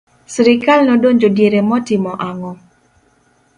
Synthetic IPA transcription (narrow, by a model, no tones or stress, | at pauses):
sɾɪkalnɔdoɲd͡ʒodjeɾemɔtɪmɔʔaŋɔ